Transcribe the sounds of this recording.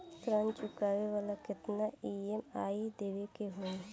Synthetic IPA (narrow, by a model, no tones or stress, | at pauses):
t̪ɾãːnt͡ʃʊkaːʋeʋaːlakɪt̪naiemaːid̪eːʋekeɦoe